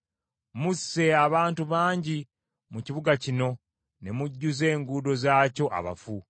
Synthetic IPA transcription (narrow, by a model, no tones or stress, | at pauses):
musːe̞aβaːntuβaːɲɟi | muciβuɡacino̞ | ne̞muɟːuze̞ːŋɡuːdo̞zaːco̞ʔa̰βa̰fu